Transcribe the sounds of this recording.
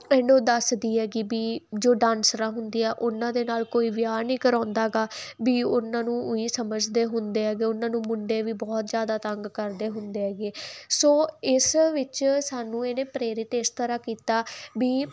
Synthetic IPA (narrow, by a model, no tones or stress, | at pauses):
ɛ̃nõːd̪əsd̪iːɛːkɪbiːd͡ʒoːɖãːnsɾãːɦʊnd̪iːɛːʔʊnãːd̪eːnaːlkoːiːʋjaːɾnĩːkəɾãːnd̪aːɡaːbiːʊnãːnũːʊĩːsəməd͡ʒd̪eːɦʊnd̪eːɦɛːɡeːʊnːãːnũːmʊɳɖeːʋiːbɔːt̪zjaːd̪aːt̪əŋɡkəɾd̪eːɦʊnd̪eːɦɛːɡeːsoːɪsʋɪt͡ʃsaːnũːeːnẽːpɾeːɾɪt̪ɪst̪əɾaːkiːt̪aːbiː